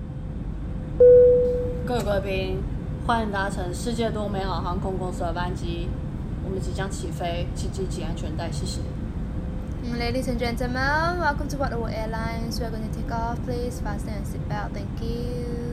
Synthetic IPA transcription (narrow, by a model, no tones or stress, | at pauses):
kəkəpiŋ | xwaniŋt̪aʈ͡ʂʰəŋʂɻ̩t͡ɕjɛt̪wɔmeɪxɑʊxɑŋkʰʊŋkʊŋs̩əpant͡ɕi | wɔmənt͡ɕit͡ɕjɑŋt͡ɕʰifeɪt͡ɕʰit͡ɕit͡ɕiant͡ɕʰɥɛnt̪aɪɕɛɕɛ̰ | ledisə̃nd͡ʒɛ̃ntəl̩mə̃nwɛlkə̃mtuwɔʔ̚əwɔʔɛlãɪ̃nswiəɡõɪ̃ntutʰekɔfpʰlisfasdɛ̃ə̃nsit̚baθɛ̃ŋkju